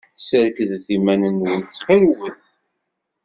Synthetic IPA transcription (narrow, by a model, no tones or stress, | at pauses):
səɾkðθimænənwənt͡s̪ːχilwəθ